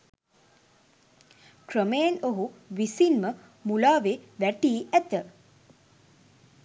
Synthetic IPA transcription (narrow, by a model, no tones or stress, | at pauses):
krəmejenoɦuʋisinmə | mulaːʋeʋæʈiːʔæt̪ə